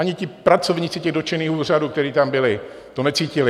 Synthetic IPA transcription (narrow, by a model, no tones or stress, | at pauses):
aɲɪcɪpɾat͡sovɲiːt͡sɪcɛɣdo̞t͡ʃɪniːhuːr̝aduːkt̪ɛɾiːt̪ambɪlɪ | t̪onɛt͡siːcɪlɪ